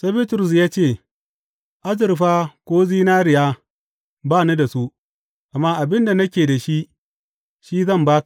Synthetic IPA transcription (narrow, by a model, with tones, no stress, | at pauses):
se˦bi˦tɾʊ˨s̬jaː˦t͡ʃeː˦˨ | ʔa˦zɪ˨ɾɸaː˦kʷoː˦ziː˦naː˦ɾɪ˨jaː˦ | baː˦˨nu˦da˨su˦ | ʔa˨mːaː˦ʔa˨bɪ˦nda˨nɐ˦kʲeː˨da˨ʃi˦ʔ | ʃiː˦zɐ˦˨mbaː˦